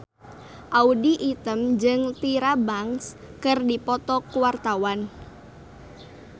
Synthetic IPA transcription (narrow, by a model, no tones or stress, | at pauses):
ʔaudiʔit̪əmd͡ʒɨŋt̪iɾabaŋs | kɨrdipɔt̪ɔkuwart̪awan